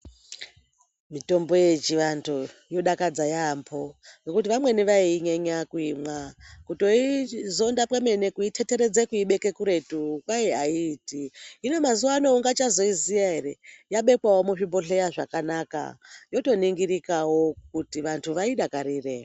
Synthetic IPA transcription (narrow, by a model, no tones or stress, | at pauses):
mito̞mbo̞je̞t͡ʃiʋantʰujo̞ɗakad͡zajampʰojokut̬iʋamwe̞niʋaiɲeɲakuimwakuto̞izo̞ndapeme̞ne̞kuitʰe̞te̞ɾe̞d͡zekuiɓe̞ke̞kuɾe̞tukwajeaiːtiːno̞mazuwanouŋɡat͡ʃazo̞izijaɦe̞ɾe̞jaɓe̞kwawo̞muʐimboɬe̞jaʐakanaka̰jo̞to̞niŋɡirikawo̞kutiʋantʰuʋaiɗakaɾiːre